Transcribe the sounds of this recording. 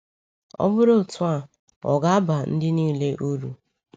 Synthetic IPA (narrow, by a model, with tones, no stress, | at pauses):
ɔ̰˦bʊ˦ɾo˦˨tʊ˦a˨ | ɔ̰˨ɡa˦a˦ba˨n̩˦dɪ˦niː˦le˦ʔo˦ɾu˨